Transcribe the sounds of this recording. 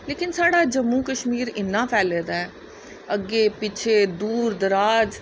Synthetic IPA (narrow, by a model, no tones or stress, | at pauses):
leːkɪnsaːɽaːd͡ʒəmːũːkəʃmiːɾɪnːãːpʰɛːleːd̪aːɛː | əɡːeːpɪt͡ʃʰeːd̪uːɾd̪əɾaːd͡ʒ